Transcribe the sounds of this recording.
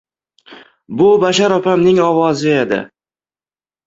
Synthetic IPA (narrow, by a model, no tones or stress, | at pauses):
bʊbaʃaɾɒfamnɪŋɒvɒzɪed̪ɪ̰